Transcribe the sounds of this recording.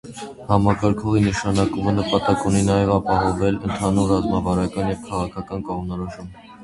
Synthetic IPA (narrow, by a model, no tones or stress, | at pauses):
hɑmɑkɑɾkʰɔʁinəʃɑnɑkumənəpɑt̪ɑkuninɑjɛvɑpɑɦɔvɛlənt̪ʰɑnuɾrɑzmɑvɑɾɑkɑnjɛvkʰɑʁɑkʰɑkɑnkɔʁmnɔɾɔʃum